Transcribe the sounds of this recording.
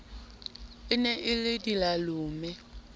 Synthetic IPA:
ɪnɛʔɪlɪdilalʊːmɛ

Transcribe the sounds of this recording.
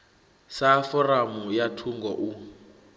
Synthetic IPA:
safɔramujatʰuŋɡɔʔu

